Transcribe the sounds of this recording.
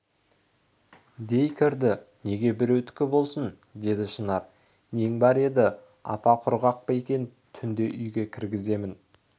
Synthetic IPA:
d̪e̞jkʲʰɪɾd̪ɪne̞ɡʲe̞bɪɾɵt̪kʲːɪbo̞lˠsən | d̪e̞d̪ɪʃənɑɾ | ne̞ŋbɑɾe̞d̪ɪ | ɑ̰pɑqʰʊɾʁɑq̚pɑjekʲe̞n | t̪ʰʏnd̪e̞ʔʏjɡʲe̞kʲʰɪɾɡʲɪze̞mɪn

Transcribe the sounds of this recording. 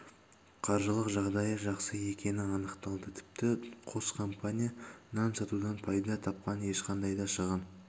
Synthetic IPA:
qʰɑɾʒəlˠəqʒɑʁd̪ɑjəʒɑqsəe̞kʲe̞nɪɑnəqt̪ɑlˠd̪ət̪ʰɪ̥p̚t̪ɪqʰo̞skʰo̞mpanʲijanɑnsɑt̪ud̪ɑnpʰɑjd̪ɑt̪ʰɑp̚qɑne̞ʃqɑnd̪ɑjd̪ɑʃəʁən

